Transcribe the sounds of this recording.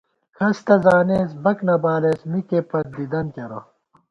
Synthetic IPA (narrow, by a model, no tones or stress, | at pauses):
kʰɐst̪ɐzaːneːsbɐknɐbaːlesmikepɐt̪̚d̪id̪ɐnkɐɾo̰